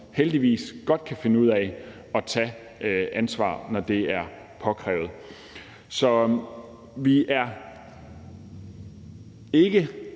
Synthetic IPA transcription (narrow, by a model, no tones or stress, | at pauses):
held̥iʋḭːsɡ̥ɒ̽d̥̚kʰæfe̝nəuð̰ˠæ | ɒ̽t͡sʰɛ | ʔænsʋɑ̰̈ːnɒd̥e̝æɐ | pʰɒ̽kʰʁɛ̰ːʊð̞̩ˠ | sɒ̽ | ʋiʔæɐ | e̝ɡ̥ə